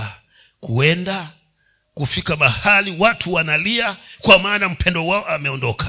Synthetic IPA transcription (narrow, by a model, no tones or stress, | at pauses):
kuɛnda | kufikaɓahaliwatʰuwanaliakwamaːnam̩pɛndɔwaɔamɛɔndɔka